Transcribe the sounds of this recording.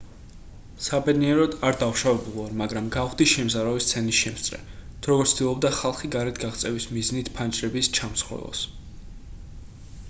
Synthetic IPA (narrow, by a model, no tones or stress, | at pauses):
sabɛd̪niɛɾɔd̪aɾd̪auʃavɛbulˠaɾmaɡɾamɡaʁwd̪iʃɛmzaɾɔvist̪sʰɛnisʃɛmst̪sʼɾɛ̰t̪ʰuɾɔɡɔɾt̪ʰd̪̥ilˠɔb̚d̪aχalˠχiɡaɾɛt̪ʰɡaʁt̪sʼɛvismiznit̪ʰpʰand͡ʒʼɾɛbist͡ʃʰamsχɛ̰lˠɔ̰s